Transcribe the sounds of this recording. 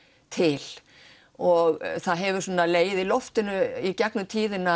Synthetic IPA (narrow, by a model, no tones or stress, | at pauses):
t̪ʰɪl | ɔɣθaðɦɛvʏɾ̥sɔːnaleːjðɪlɔft̪ɪnʏicɛknʏt̪ʰiːðɪna